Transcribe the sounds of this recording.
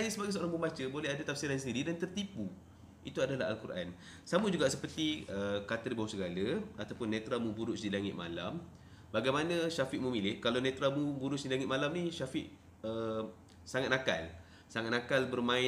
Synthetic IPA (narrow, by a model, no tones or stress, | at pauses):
ajəsəbaɡajsəoɾaŋbəmbat͡ʃəbolɛɦadat̪afsiɾans̬əndiɾidant̪ərt̪ipu | ḭt̪uadalaɦa̰lkuɾʔa̰n | samud͡ʒuɡaʔsəpərt̪iəkat̪əɾribaɦusəɡaləat̪awpʊnːẽt̪ɾamũbuɾʊʔsdilaŋɪ̰t̪̚ma̰lam | baɡajmanãʃafiʔmumilɪhkalawnet̪ɾamubuɾʊsdilaŋɪt̪̚malamniʃafɪʔ | ə | saŋat̪̚naka̰l | saŋat̪̚nakalbərmãɪ